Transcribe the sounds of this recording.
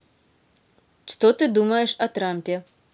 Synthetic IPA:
ʂt̪ɔt̪ɨd̪umɐjɛʂɐt̪ɾampʲɛ

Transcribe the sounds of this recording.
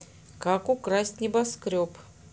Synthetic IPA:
kakʊkɾasʲtʲnʲɪbɐskɾʲop

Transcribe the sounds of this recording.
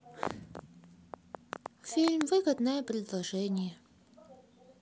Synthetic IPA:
fʲilʲmvɨɡəd̪nəjəpɾʲɪd̪lˠɐʐɛnʲɪjə

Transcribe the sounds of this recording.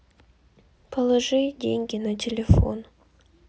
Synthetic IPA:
pʰɐlˠɐʐɨjdʲeŋʲɡʲɪnatʲɪlʲefo̞̰n

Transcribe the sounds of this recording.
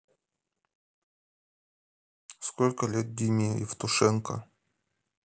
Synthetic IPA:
skolʲkəlʲet̪̚d̪ʲimʲiɪ̰ft̪ʊʂɛnkə̰

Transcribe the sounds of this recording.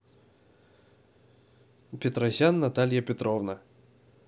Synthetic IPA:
pʲɪt̪ɾɐzʲanːɐt̪alʲjəpʲɪt̪ɾovnə

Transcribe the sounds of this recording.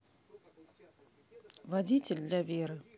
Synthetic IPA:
vɐdʲitʲɪlʲd̪lʲavʲeɾɨ

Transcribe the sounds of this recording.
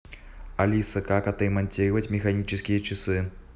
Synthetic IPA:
alʲisɐkakɐt̪imɐnʲt͡sʲiɾɐvɐt͡sʲmʲɛxanʲit͡ʃɨskʲijɐt͡ʃisɨ

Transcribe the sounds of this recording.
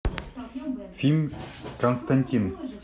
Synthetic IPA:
filmʲkɔnst̪ʰanʲt̪ʲin

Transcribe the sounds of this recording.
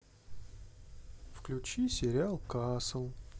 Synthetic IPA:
fklʲʉt͡ɕisʲɪɾʲɪalˠkasəlˠ

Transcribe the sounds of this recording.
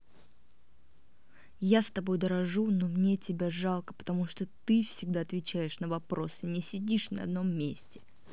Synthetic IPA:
jast̪ɐbo̞jd̪əɾɐʐunomnʲetʲɪbʲaʐɑlˠkə̥pə̥t̪ɐmuʂt̪ot̪ɨfsʲɪɡ̚d̪aɐt̪vʲɪt͡ɕæjɪʂnəvɐpɾo̞sɨnʲɪsʲɪdʲiʂnɐ̰ɐ̰d̪no̞mːʲesʲtʲɪ̥

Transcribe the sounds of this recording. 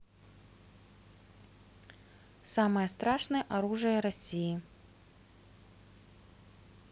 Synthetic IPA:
samɐjɐst̪ɾaʂnɨjɐʔaɾuʐɨjɐɾasʲiji

